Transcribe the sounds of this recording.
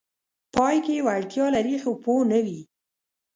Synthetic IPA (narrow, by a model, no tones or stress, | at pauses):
pɑjkewaɽt̪jɑlaɾixoponəwi